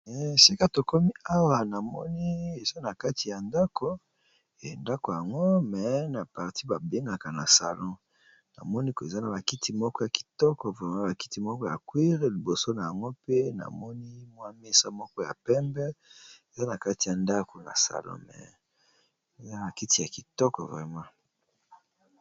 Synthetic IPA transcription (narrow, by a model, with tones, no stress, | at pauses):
ɛ˨si˦ka˦to˨ko˦mi˦a˦wa˨na˨mɔ̰˦ni˦e˨za˦na˨ka˦ti˨ja˨nda˦ko˨ | e˨nda˦ko˨ja˨ŋɡo˦mɛ˨na˨pa˨ʁti˦ba˨be˦ŋɡa˨ka˨na˨sa̰˨lɔ̃˦ | na̰˨mɔ˦ni˦ke˨za˦na˨ba˨ki˦tʰi˨mɔ˦kɔ˦ja˨ki̥˨tɔ˦kɔ˨vʁɛ˦ma˦ba˨ki̥˦ti˨mɔ˦kɔ˦ja˨kwi˦ʁe˨˦li˨bo˨so˦na˨ja˨ŋɡo˦pe˦na̰˨mɔ˦ni˦mwa˦me˦sa˦mɔ˦kɔ˦ja˨pɛ˦mbɛ˦e˨za˦na˨ka˦ti˨ja˨nda˦kʰo˨na̰˨sa̰˨lɔ̰̃˦mɛ̰˨ | e˨za˦ba˨ki˦ti˨ja˨ki˨tɔ˦kɔ̰˨vʁɛ˨mã˦